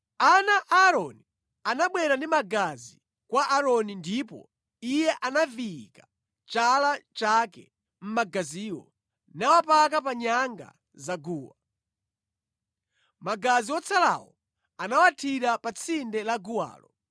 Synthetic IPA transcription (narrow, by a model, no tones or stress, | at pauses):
anaʔaːɾɔni | anaɓwɛɾandimaɡazi | kwaʔaɾɔnindipɔ̰ | ijɛʔanavikḁ | t͡ʃalat͡ʃakɛ̰ | m̩maɡaziːwɔ | nawapakap̬aɲaŋɡa̰ | zaɡuːwa | maɡaziwɔt͡sʰala̰wɔ | anawatʰiɾapat͡sʰindɛlaɡuwa̰ːlɔ